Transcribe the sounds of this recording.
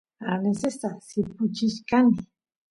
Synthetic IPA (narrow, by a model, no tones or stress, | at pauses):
alesesasɪpʊt͡ʃɪʃkanɪ